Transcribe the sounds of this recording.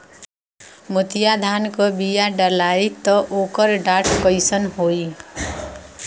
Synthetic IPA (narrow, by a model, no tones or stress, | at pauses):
mət̪ijad̪ʱankʌbijaɖəlait̪ʌʔokʌɾɖaʈʰkʌjsənɦoj